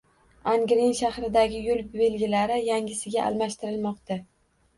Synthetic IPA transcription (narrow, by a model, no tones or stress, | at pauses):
aŋɡʲɾɪnʃahɾɪd̪aɡʲɪjʊlˠbe̞lɡʲɪlaɾɪjaŋɡʲɪsɪɡʲaʔa̰lˠmaʃt̪ɪɾɪlmɒqt̪a